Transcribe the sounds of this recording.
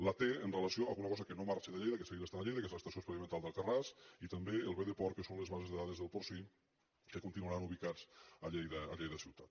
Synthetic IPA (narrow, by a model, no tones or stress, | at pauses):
lat̪eənreləsioaɣunɐkɔzəkənomaɾt͡ʃeðəʎejðəkeseiɾast̪anaʎejðəkezləst̪ɐsiospəðimənt̪alˠd̪əlˠkarasit̪əmbeəlˠβeðepɔɾkəsonlezβazezðeðaðezðəlˠpoɾsi | kekunt̪inuaɾanuβikat͡səʎejðəːʎejðəsiwt̪at̪